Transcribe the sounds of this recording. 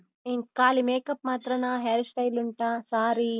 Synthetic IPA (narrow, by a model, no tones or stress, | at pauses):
inkaːlimeːkɐpmaːt̪ɾɐnaːɦeːlsʈɐjluɳʈaːsaːɾi